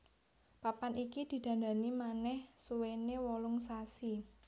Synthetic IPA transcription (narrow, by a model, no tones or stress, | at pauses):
papanikid̪̥i̤d̪̥ä̤nd̪a̤nimanɛhsuwenewɔlʊŋsasi